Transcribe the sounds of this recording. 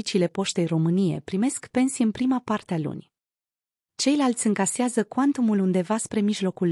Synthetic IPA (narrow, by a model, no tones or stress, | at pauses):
it͡ʃiːle̞po̞ʃt̪e̞jro̞mɨnije̞̰pɾime̞skpe̞nsijɨnpɾimapart̪ealṵnʲ | t͡ʃe̞jlalt̪sʲɨŋkaseazəkwant̪umulund̪e̞vaspɾe̞miʒlo̞kul